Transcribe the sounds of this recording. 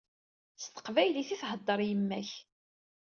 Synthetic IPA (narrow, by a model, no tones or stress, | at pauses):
st̪ə̥qvæjliθiθhəd̪ˤːəɾˤjəmːæç